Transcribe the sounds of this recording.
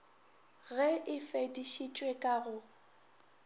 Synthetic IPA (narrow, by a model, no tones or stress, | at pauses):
ɣɛɪfediʃit͡ʃʼwekʼaɣʊ